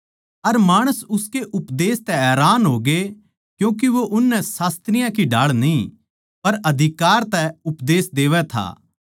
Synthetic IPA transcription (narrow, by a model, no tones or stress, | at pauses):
ɐɾmaːɽ̃əsʊskeʔʊpd̪eːst̪ɛɛːɾaːnɦoːɡe | kjũːk̬iʋoʔʊnːɛsaːst̪ɾɪjãkiɖaːɭnĩ | pɐɾɐd̪ʱɪkaːɾt̪ɛʊpd̪eːsd̪eːʋɛt̪ʰa̰ː